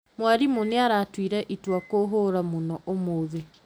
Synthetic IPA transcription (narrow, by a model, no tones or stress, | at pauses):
mwaɾimoneaɾatwiːɾɛʔitwakoɦoːɾamonɔʔomoðe